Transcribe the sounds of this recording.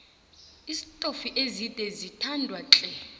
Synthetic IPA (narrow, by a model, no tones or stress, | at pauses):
isitʼofiʔezidʼʱɛzitʰandʱwaǁʼɛ